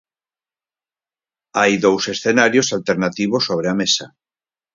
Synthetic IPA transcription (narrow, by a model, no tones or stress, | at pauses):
ajðowsesθenaɾjosalt̪eɾnat̪iβ̞osːoβ̞ɾeamesa